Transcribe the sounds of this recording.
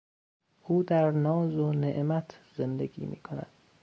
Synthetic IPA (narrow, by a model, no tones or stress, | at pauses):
ʔuːd̪æɾnɒːzoneʔmæt̪ʰz̥e̞nd̪eɡḭːmḭːkʰonæ̰d̪̥